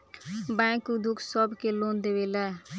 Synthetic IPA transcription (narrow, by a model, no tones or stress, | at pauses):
bɛ̃ːkud̪ʊkʰsɔbkeːlõːnd̪eːʋeːlɛː